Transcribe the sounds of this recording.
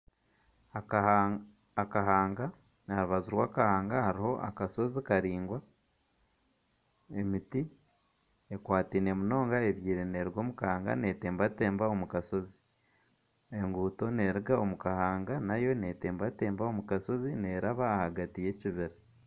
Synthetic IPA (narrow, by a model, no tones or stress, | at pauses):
aa | aɦaːŋɡa | naɾuβaziɾwaːkahaːŋɡahaɾiho̞ʔa̰kaso̞zikaɾiːŋɡwa | e̞miti | ekwaːtiːne̞muno̞ːŋɡae̞βjiːɾeneɾiɡo̞ːmukaːŋɡa̰ne̞ːteːmbate̞ːmbao̞mukaso̞zi̥ | e̞ŋɡuːto̞ne̞ɾiɡao̞mukahaːŋɡanajo̞ne̞te̞ːmbate̞ːmbao̞mukaso̞zine̞ɾaβaːhaɡatije̞ciβiɾa